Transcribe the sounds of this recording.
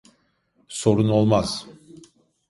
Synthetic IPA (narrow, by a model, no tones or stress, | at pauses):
so̞ɾuno̞lˠmaz̥